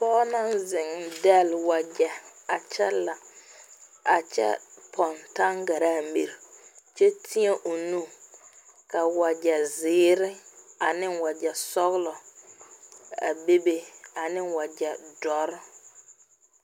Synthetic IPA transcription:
pɔː˦na˦nzɪ˨ŋdɛ˦˨lwa˨d͡ʒɛ˨a˨t͡ʃɛ˦la˨ | a˨t͡ʃɛ̰˦pʰɔ˨nta˦ŋɡa˨ɾaː˦˨mḭ˨ɾt͡ʃɛ˦tʰi˦e˦ʔo˨nu˦ | ka˨wa˨d͡ʒɛ˨zɪː˨˦ɾɪ˦a˨nɪ˦nwa˨d͡ʒɛ˨sɔ˦ɣlɔ˨ | a̰˨be˦be˦a˨nɪ˦nwa˨d͡ʒɛ˨dɔ˦ɾ

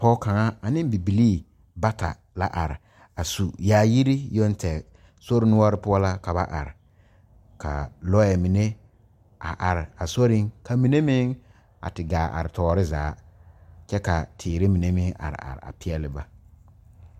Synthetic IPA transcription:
pɔ˦ka˨ŋa˦a˨nɪ̃˦m˦bi˨bi˨liː˦˨ | ba˦ta̰˨ | la̰˦ʔa˨ɾɪ˨ | a˨su˨jaː˨˦ji˦ɾi˦jo˦n˦tɛ˨ | so˦ɾɪ˦nʊ˦ɔ˦ɾɪ˦pʊ˦ɔ˦la˦ka˨ba˦ʔa̰˨ɾɪ˨ | ka̰˨lɔ˦ɛ˨mi˨ne˦ | a̰˨ʔa˨ɾɪ˨a˨so˦ɾɪ˦ŋka˨mi˨ne˦mɪ˦ŋ | a̰˨tɪ˨ɡaː˨ʔa̰˨ɾɪ˨tɔː˨˦ɾɪ˦za̰ː˨˦ | t͡ʃɛ˦ka˨tʰɪː˨ɾɪ˦mi˨ne˦mɪ˦ŋʔa̰˨ɾɪ̰˨a̰˨ɾɪ̰˨a̰˨pɪ˦ɛ˦lɪ˦ba˦

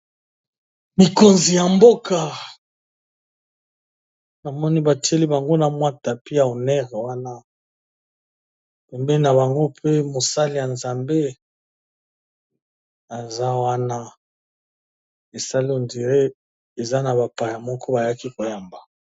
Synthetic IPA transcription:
mi˨ko˨nzi˨ja˨mbo˦ka˨ | na˨mɔ˦ni˦ba˨ti˦e˦li˦ba˨ŋɡo˦na˨mwa˦ta˨pi˦a˨o˨nɛ˦ʁwa˦na˦ | pɛ˨mbɛ˦na˨βa˨ŋɡo˦pe˦mo˨sa˦li˨ja˨nza˨mbe˦ | a˨za˦wa˦na˦ | e˨sa˦li˦o˨ndi˨ʁe˦ | e˨za˦na˨βa˨pa˨ja˨mɔ˦kʰɔ˦ba˨a˦ki˦ko˨ja˨mba˨

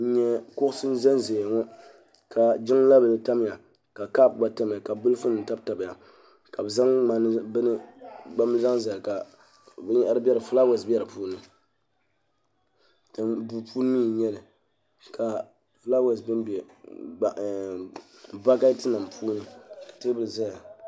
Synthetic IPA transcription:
ɲɛ˦kʊ˦ʔʊ˦sɨ˦n˦za˦n˦ze˨ŋɔ˦ | kʰa˨d͡ʒɪ˦ŋ˦la˦bɨ˨lɨ˨ta˦m˦ja˨ | ka˨ka˦p̚ɡ͡ba˨˦ta˦m˨a˨ka˨bɨ˦lfɨ˦nɨ˨n˨ta˦bta˨ba˨ja˨ | ka˨bɨ˨za˦ŋma˨n˦bɨ˦nɨ˦ɡ͡ba˦m˦za˦ŋ˦za˨lɨ˨ka˨ | bɛ˦ɲɛ˦ʔa˦ɾbʲɛ˦ɾɨ˨fɨ˦la˦wa˨sbɛ˦ɾɨ˨puː˦nɨ˨ | tbu˨pʰu˦nɨ˦miː˦˨ɲɛ˦lɨ˨ | kʰa˨ | fɨ˦la˦wa˨sbɨ˦nbɛ˨ | ba˦ka˦tɨ˦na˨mpʰuː˦nɨ˦kḁ˨tɨ˦bɨ˦lza˦ja˨

